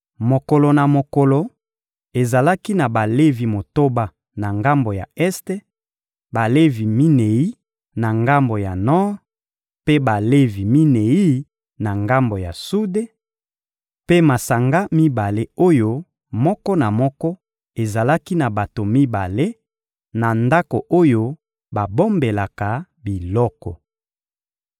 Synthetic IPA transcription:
mo˨ko˨lo˨na˨mo˨kɔ˨lo˨ | e˨za˨la˦ki˦na˨ba˨le˦vi˨mo˨to˦ba˨ | na˨ŋɡa˦mbo˨ja̰˨ɛ˦ste˦ | ba˨le˦vi˨mi˦ne˨i˦ | na˨ŋɡa˦mbo˨ja˨nɔ˦ʁ | pe˦ba˨le˦vi˨mi˦ne˨i˦ | na˨ŋɡa˦mbo˨ja̰˨su˦de˦ | pe˦ma˨sa˨ŋɡa˦mi˦ba˨le˦o˦jo˦ | mɔ˦kɔ˦na˨mɔ˦kɔ˦ | e˨za˨la˦ki˦na˨ba˨to˨mi˦ba˨le˦ | na˨nda˦ko˨ʔo˦jo˦ | ba˨bo˦mbe˨la˨ka˨ | bi˨lɔ˦kɔ˨

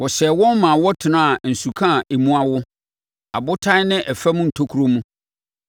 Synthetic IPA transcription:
wɔ˨ɕɛ˨wɔ̃˦nmã˨wɔ˦tʰɪ˨nã˦a˨n̩˨su˨kʰã˦˨ʔe˨mũ˦a˦wʊ˦ | a̰˨bʊ˦tʰã˦nɪ̃˦ʔɛ˨fɛ˦mũ˦n̩˨tʰo˦kʰu˨˦ɾo˦mũ˦

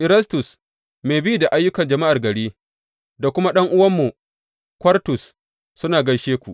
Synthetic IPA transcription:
ʔɪ˨ɾɐ˦stʊ˨s | meː˨bɪ˦ju˨da˨ʔa˦jːʊ˦kɐ˨nd͡ʒɐ˨ma˦ʔa˨rɡɐ˨ɽeː˦ | da˨kʷʊ˦ma˦ɗɐ˦ŋʔʊ˦wɐ˦mːu˨ | kʷɐ˦rtʊ˨sː | ʊ˦naː˨ɡɐ˦ʃeː˦kʷu˨ʔ

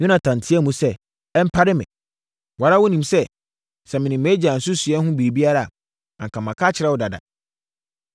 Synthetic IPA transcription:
ɲʊ̃˦nã˨tʰã˨n˨tʰɪ˦ɛ˦mũ˦sɛ˦ | ɛ˦m̩˦pʰa˦ɾɪ˦mɪ̰̃˨ | wa˨ɾa˦wʊ˦nĩ˨msɛ˦ | sɛ˨mɪ̃˨nɪ̃˨m˨ɛ˦d͡ʑa˨n̩˨sʊ˦sʊ˨ɛ˦n˦hʊ̃˦bi˨ɾi˨bi˦a˦ɾa˨ | ã˨ŋ˨kʰã˨mã˨kʰa˦t͡ɕʰɪ˨ɾɛ˦˨wɔ˨da˨da̰˨

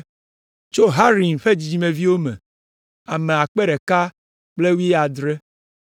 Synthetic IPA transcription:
t͡ʃo˦ɦa˦ɾi˨n˨ɸe˦d͡ʑi˨d͡ʑi˦mẽ˨vi˦wo˦mḛ̃˨ | a˨me˨a˨k͡pe˦ɖɛ˨ka˦ | k͡ple˦wu˦ɛ˦a˨d̪ɾe˦

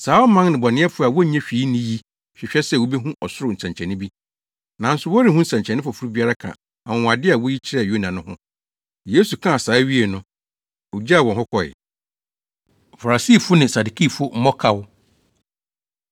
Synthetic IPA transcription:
saː˨˦ɔ˦mã˦ŋnɪ̃˨bɔ˨nɪ̃˦ɛ˦fʊ˦a˨wɔ˦ɲɛ̃˦ɕᶣi˨˦nĩ˦ji˦ | ɕᶣɪ˨ɕᶣɛ˦sɛ˦˨wo˦be˦ɦũ˦ʔɔ˨sʊ˦ɾʊ˨n̩˨sɛ̃˨ɲt͡ɕʰɛ̃˨nɪ̃˦bi˦ | nã˨n̩˦sʊ˦wɔ˦ɾi˦˨hũ˦n̩˨sã˨ɲt͡ɕʰɛ̃˨nɪ̃˦fʊ˨fu˦ɾu˦bi˦a˦ɾa˦kʰã̰˨ | ã˨w̃wa˨dɪ˦a˨wɔ˦ji˦t͡ɕʰɪ˦ɾɛ˦˨jo˦nã˨nʊ̃˦hʊ̰̃˦ | jeː˦su˨kʰã˦a˨saː˨˦ɥi˦e˨nʊ̃˦ | o˨d͡ʑa˦a˨wɔ̃˨hʊ˦kʰɔ˨ɪ̰˨ | fa˨ɾa˨siː˦˨fʊ˦nɪ̃˨sa˨du˨kʰi˦fʊ˦m̩˦mɔ˦kʰa˦w

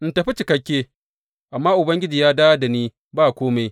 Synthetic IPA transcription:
ʔɪ˨ntɐ˨ɸi˦t͡ʃɪ˨kɐ˦kʲːeː˦ | ʔa˨mːaː˦ʔʊ˨bɐ˦ŋɡʲɪ˦d͡ʒiː˨jaː˦daː˦da˨niː˦ | baː˦˨kʷoː˦ma˦j

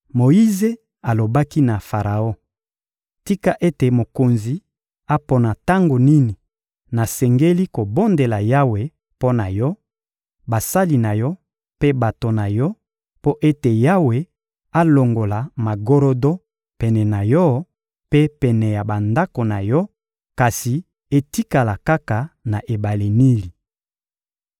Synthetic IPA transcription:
mo˨i˦ze˦ | a˨lo˨ba˦ki˦na˨fa˨ʁa˨o˦ | ti˦ka˦ʔe˦te˨mo˨ko˨nzi˨ | a˦po˨na˨ta˦ŋɡo˨ni˦ni˨ | na˨sɛ˨ŋɡe˦li˦ko˨bo˦nde˨la˨ja˦we˨ | po˦na˨jɔ˦ | ba˨sa˦li˨na˨jɔ˦ | pe˦ba˨to˨na˨jɔ˦ | po˦ʔe˦te˨ja˦we˨ | a˦lo˨ŋɡo˨la˨ma˨ɡo˦ɾo˦do˦ | pɛ˨nɛ˨na˨jɔ˦ | pe˦pɛ˨nɛ˨ja˨ba˨nda˦ko˨na˨jɔ˦ | ka˨si˨ | e˦ti˦ka˨la˨ka˦ka˨na˨ʔe˨ba˨le˨ni˦li˨

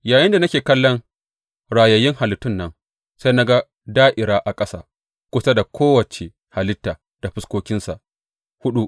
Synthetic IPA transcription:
jaː˨jɪ˦nda˨nɐ˦kʲeː˨kɐ˦lːɔ˦ŋ | ɽaː˨jɐ˨jɪ˦ŋha˨lɪ˨tːʊ˦nːɐ˦ŋ | sa˦jna˦ɡa˦ | daː˦ʔɪ˨ɾaː˦ʔa˨kʼɐ˦sa̰ː˦ | kʷʊ˦sa˦da˨kʷʰoː˦wɐ˨t͡ʃe˨ | ha˨lɪ˦tːaː˨ | d̥a˨ɸɪ˦skʷoː˦kʲɪ˦nsa˨ʔ | hʊ˦ɗu˦ʔ

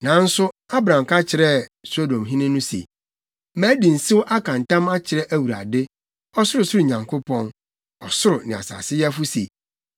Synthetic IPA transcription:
nã˨˦n̩˦sʊ˦a˦bɾã˨m˨ka˦t͡ɕʰɪ˨ɾɛ˦so˦dõ˨mɦĩ˦nɪ̃˦nʊ̃˦sḛ˨ | mæ̃ː˨˦di˨n̩˨sɪ˦wʊ˦ʔa˦kʰã˨n˨tã˦ma˦t͡ɕʰɪ˨ɾɛ˦ʔæ˦wu˨ɾa̰˨dɪ˦ | ɔ˦sʊ˦ɾʊ˨sʊ˦ɾʊ˨ɲã˨ŋkʰo˦pʰɔ̃˦n | ɔ˨sʊ˦ɾʊ˨nɪ̃˨a̰˨sa̰ː˨sɪ˦jɛ˦fu˦sḛ˨

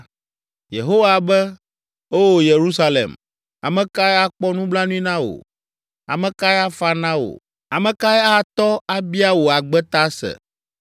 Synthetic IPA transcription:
je˨ɦo˦wa˨bɛ˦ | o˦wo˨je˨ɾu˦sa˦lḛ˨m | a̰˨mɛ̃˨ka˦ɛ˦a˦k͡pɔ˦nũ˦bla˦nũ˦i˦nã˦wo̰˨ | a̰˨mɛ̃˦ka˦ɛ˦a˦fa˦nã˦wo̰˨ | a˨mɛ̃˨ka˦ɛ˦a˦˨t̪ɔ˦a˦bi˦a˦wo˨a˨ɡ͡bɛ˦t̪a˦sɛ̰˨

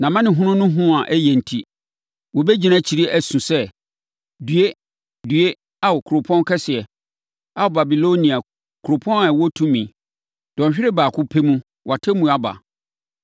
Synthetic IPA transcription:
nã˨mã˦nɪ̃˨ɦʊ̃˦nʊ̃˦nʊ̃˦ɦʊ̃˦a˨ʔæ˦jɛ˨n̩˨tʰi˦ | wɔ˨be˦d͡ʑi˨nã˦t͡ɕʰi˨ɾi˦æ˨sũ˨sɛ˦ | dɥe˦ | dɥe˦ | a˦wɔ˨kʰu˨ɾo˨pʰɔ̃˦n˦kʰɛ˦sɪ˨ɛ˨ | a˨wʊ˨ba˨bi˨lo˦nĩ˨a˨ | kʰu˨ɾo˨pʰɔ̃˦na˨wɔ˦tʰũ˦mĩ˨ | d̥ɔ̃˨ɲᶣ˨ɪ˦ɾɪ˦baː˨kʰʊ˦pʰe˦mũ˦ | wʔa˨tʰɪ˦mũ˨a˦ba̰˨

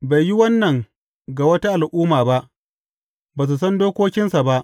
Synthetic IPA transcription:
ba˨jːi˦wɐ˦nːɐ˨ŋ | ɡa˨wɐ˦ta˦ʔa˨lʔuː˦maː˨ba˦ʔ | baː˨s̬u˨s̬ɐ˦ndoː˦kʷoː˦kʲɪ˦nsa˨ba˦ʔ

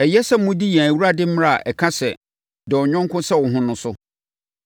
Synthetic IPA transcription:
ɛ˨jɛ˦sɛ˦mʊ̃˦di˦jɛ̃˨æ˨wu˦ɾa˦dɪ˦m̩˦m˦ɾa˦˨a˨ʔɛ˨kʰã˦sɛ˨ | dɪ˨ɔ˨ɲᶣɔ̃˦ŋkʰʊ̃˦sɛ˦wʊ̃˨ɦʊ̃˦nʊ̃˦sʊ˦

